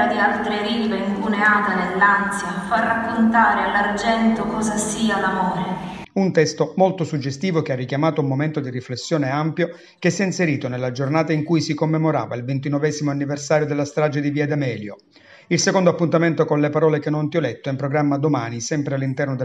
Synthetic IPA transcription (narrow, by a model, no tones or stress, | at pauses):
ad̪ialt̪ɾeɾiːleiŋpuneaːt̪anelːansjafarːakːont̪aːɾealːard͡ʒɛnt̪okɔːzasiːalamɔːɾe | unt̪ɛst̪omolt̪osud͡ʒːest̪iːvokearːikjamaːt̪oumːoment̪od̪iriflesːjɔːneampjo | k̟esːjɛinseɾiːt̪onelːad͡ʒornaːt̪aiŋkujsikomːemoɾa̰ːvailvent̪̬inɔvɛːzimoanːiversaːɾjod̪elːast̪ɾaːd͡ʒed̪iviːad̪amɛːljo̰ | ilsekond̪oapːunt̪ament̪okonlepaɾɔːlekenːont̪iɔlɛt̪ːoimpɾoɡɾamːad̪omaːnisɛmpɾealːint̪ɛrnod̪e